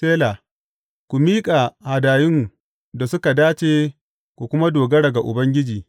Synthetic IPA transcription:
eː˦la˨ | kʷu˨miː˦kʼa˨ha˨daː˨jɪ˦ŋ | da˨sʊ˦ka˨daː˦t͡ʃeː˦˨ | kʷu˨kʷʊ˦ma˦doː˨ɡɐ˦ɽɐ˨ɡa˨ʔʊ˨bɐ˦ŋɡʲɪ˦d͡ʒiː˨

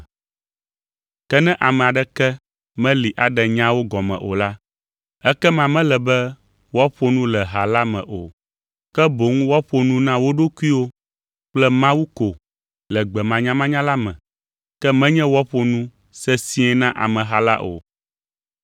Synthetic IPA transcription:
kɛ˦nɛ̃˦ʔa˨mɛ̃˨a˨ɖɛ˦kɛ˦ | mɛ̃˦li˨ʔa˨ɖɛ˨ɲã˦wo˦ɡɔ˨mɛ̰̃˨ʔo̰˨la˦ | ɛ˦kɛ˦mã˨mɛ̃˦lɛ˨bɛ˦ | wɔ˦ɸo˨nũ˦lɛ˨ɦa˨la˦mɛ̰̃˨ʔo˨ | kɛ˦bo˨ŋũ˦wɔ˦ɸo˨nũ˦nã˦wo˦ɖo˦ku˦i˦wo˦ | k͡plɛ˦mã˦wu˦ko˨ | lɛ˨ɡ͡bɛ˨mã˨ɲã˦mã˦ɲã˦la˦mɛ̃˨ | kɛ˦mɛ̃˦ɲɛ̃˦wɔ˦ɸo˨nũ˦ | sɛ˦sĩ˦ɛ˨nã˦ʔa̰˨mɛ̃˨ɦa˨la̰˦ʔo̰˨

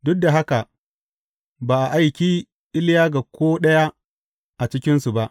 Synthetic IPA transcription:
dʊ˦k̚da˨ɦa˦ka˨ | baː˨ʔa˨ʔa˨jkʲiː˦ | ʔɪ˦ljaː˦ɡa˨kʷoː˦ɗɐ˦ja˦ | ʔa˨t͡ʃɪ˦kʲɪ˦nsu˨ba˦ʔ

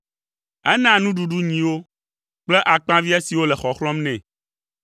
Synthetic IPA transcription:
ɛ˦nã˨nũ˦ɖu˨ɖu˦ɲĩ˨wo˦ | k͡plɛ˦ʔa˨k͡pã˦vi˦a˦si˨wo˦lɛ˨xɔ˨xlɔ̃˦mnɛ̃˨

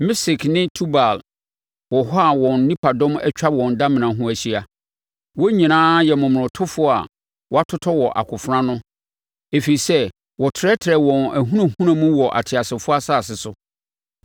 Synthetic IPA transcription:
mɪ˦sɪ˨knɪ̃˦tʰu˦ba˨l | wɔ˨ɦɔ˦a˨wɔ̃˨n˦nĩ˦pʰa˨dɔ̃˦mɛ̰˦t͡ɕᶣa˦wɔ̃˨nda˦mɪ̃˨nã˨ɦʊ̃˦æ˨ɕi˦a˨ | wɔ˦ɲĩ˨nãː˦jɛ˨mʊ̃˨m̃˨ʊ̃˨tʰʊ˦fʊ˦a̰˨ | wɔ˨a˦tʰʊ˦tʰɔ˦wɔ˨ʔa̰˨kʰʊ˨fɾã˦nʊ̃˦ | e˨fi˨i˨sɛ˦ | wɔ˨tʰɪ˨ɾɛ˦tʰɪ˨ɾɛ˨wɔ̃˨næ˨ɦũ˦ɾã˨hũ˦ɾã˦mũ˦wɔ˨ʔa̰˨tʰɪ˨a˨sɪ˨fʊ˦a˦saː˦˨sɪ˨sʊ˦

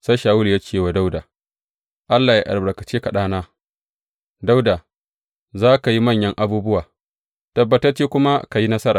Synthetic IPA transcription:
sa˦jʃaː˨wʊ˦lja˦kʲeː˨wa˨da˦wdaː˨ | ʔa˦lːaː˨ji˦ʔa̰˨lbɐ˨kɐ˨t͡ʃeː˦ka˨ɗaː˦naː˦ | da˦wda˨ | zaː˦ka˨ji˦mɐ˦˨ɲjɐ˦ŋʔa˨buː˦bʊ˦waː˨ | tɐ˨bːɐ˨tɐ˦rt͡ʃeː˦kʷʊ˦ma˦ka˨ji˦nɐ˦sɐ˦ɾaː˨

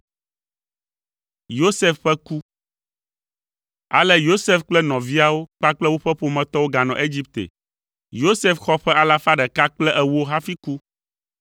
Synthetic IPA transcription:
jo˦sɛ˦fɸɛ˦ku˦ | a̰˨lɛ˦jo˦sɛ˦fk͡plɛ˦nɔ̃˨vi˦a˦wo˦k͡pa˦k͡plɛ˦wo˦ɸɛ˦ɸo˦mɛ̃˨t̪ɔ˦wo˦ɡa˨nɔ̃˨ʔe˦d͡ʑi˦p̚t̪ḛ˨ | jo˦sɛ˦fxɔ˦ɸɛ˦a˨la˦fa˦ɖɛ˨ka˦k͡plɛ˦ʔɛ˨wɦa˦fi˦ku˦

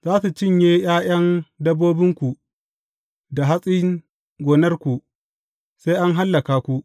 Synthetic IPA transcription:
zaː˦su˨t͡ʃɪ˦ɲjeː˦jaː˦jɐ˦ndɐ˦bːoː˦bɪ˦ŋkʷu˨ | da˨ɦa˦sʼi˦ | ɡʷoː˨nɐ˦rkʷu˨ | se˦jʔa˦ŋɦa˦lːɐ˨kaː˨kʷu˦ʔ

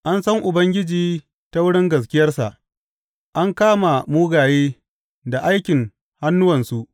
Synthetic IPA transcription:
ʔa˦nsɐ˦ŋʔʊ˨bɐ˦ŋɡʲɪ˦d͡ʒiː˨ | ta˦wʊ˦ɽɪ˦ŋɡɐ˨s̬kʲɪ˦jɐ˦rsa̰˨ʔ | ʔa˦ŋkaː˦ma˨muː˦ɡaː˨jeː˦ | da˨ʔa˦jkʲɪ˨ŋ | ha˦nːʊ˦wɐ˨nsu˦ʔ

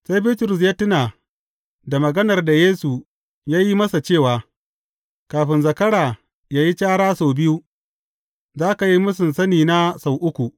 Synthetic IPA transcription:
sa˦jbiː˦tʊ˨ɾʊ˨s̬jaː˦tʊ˦naː˨ | da˨mɐ˨ɡɐ˦nɐ˨rda˨jeː˦su˨ | jaː˦ji˦mɐ˦sa˨t͡ʃeː˦˨waː˨ | kaː˨ɸɪ˨nzɐ˨kɐ˦ɽaː˨ | jaː˦ji˦t͡ʃaː˦ɽaː˦soː˨bɪ˦ju˦ | zaː˦ka˨ji˦mʊ˦s̬ɪ˨nsɐ˦niː˨na˦sa˨wʔʊ˦kʷu˨ʔ

